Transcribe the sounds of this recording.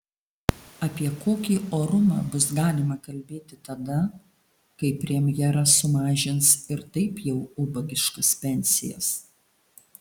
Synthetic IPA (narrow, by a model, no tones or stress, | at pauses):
ɐpʲiɛkoːkʲiːʔoːɾʊmɑːbʊsɡɑːlʲɪmɐkɐlʲbʲeːt̪ʲɪt̪ɐd̪ɐ | kɐɪpʲɾʲiɛmʲjɛɾɐssʊmɑːʒʲɪnsɪɾt̪ɐɪpjɛʊʊbɐɡʲɪʃkɐspʲɛnʲsʲɪjɛ̰s